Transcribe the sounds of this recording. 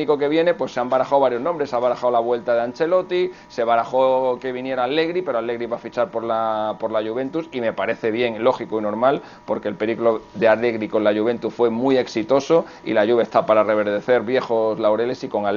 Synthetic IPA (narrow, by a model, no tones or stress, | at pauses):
iko̞ke̞βje̞ne̞pwe̞sːeambaɾaxawβaɾjo̞znõmbɾesaβaɾaxawlaβwe̞lt̪að̞eant͡ʃe̞lo̞t̪i | se̞β̞aɾaxoke̞βinje̞ɾaːle̞ɣɾipe̞ɾoale̞ɣɾiβafit͡ʃaɾpoɾlapo̞ɾlaʝuβ̞e̞nt̪usime̞paɾe̞θe̞β̞je̞ŋlo̞xikoino̞ɾmal | po̞ɾkelpe̞ɾiklo̞ðe̞ale̞ɣɾiko̞nlaʝuβ̞e̞nt̪uθfwe̞muje̞ksit̪o̞so̞ | ḭlaʝuβest̪apaɾare̞β̞e̞ɾð̞e̞θe̞ɾβje̞xo̞zlawɾe̞le̞siko̞ŋa